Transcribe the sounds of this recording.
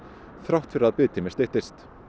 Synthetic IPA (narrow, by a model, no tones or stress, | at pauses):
θɾawht̪fɪɾɪɾaðpɪːt̪ʰimɪst̪eht̪ɪst̪